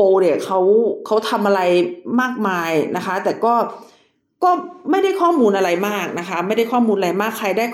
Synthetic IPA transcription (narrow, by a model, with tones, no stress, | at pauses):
oː˧ni˨˩ɐkʰa˦˥wkʰa˦˥wt̪ʰa˧mʔa˧ɾa˧jmaː˥˩k̚maː˧jna˦˥kʰa˦˥t̪ɛː˨˩kɔː˥˩ | kɔː˥˩ma˥˩jda˥˩jkʰɔː˥˩muː˧nʔa˧ɾa˧jmaː˥˩k̚na˦˥kʰa˦˥ma˥˩jda˥˩jkʰɔː˥˩muː˧nʔa˧ɾa˧jmaː˥˩kʰːa˧jdaː˥˩